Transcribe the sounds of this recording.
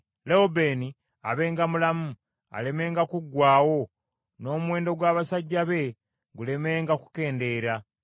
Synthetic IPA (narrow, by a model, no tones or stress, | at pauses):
leobe̞ːni | a̰βe̞ːŋɡamulamu | a̰le̞me̞ːŋɡakuɡwaːwo̞ | no̞ːmuwe̞ːndo̞ɡwaːβasaɟːaβe̞ | ɡule̞me̞ːŋɡaku̥ke̞ːnde̞ɾa